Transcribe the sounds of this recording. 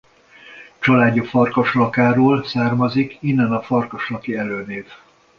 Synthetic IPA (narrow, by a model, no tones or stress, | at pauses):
t͡ʃɒlaːɟːofɒrkɒʃlɒkaːɾoːlsaːrmɒzikinːɛnɒfɒrkɒʃlɒkiɛløːneːv